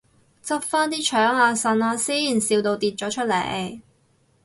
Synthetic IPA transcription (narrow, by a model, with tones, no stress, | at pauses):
t͡sɐ˥p̚faː˥nt̪iː˥t͡ʃʰœː˨˥ŋaː˧sɐ˧nɔ˧siː˥jiː˨˩nsiː˧wt̪o˧wt̪iː˧t̚t͡ʃɔː˨˥t͡ʃʰɵ˥t̚lḛ˨˩j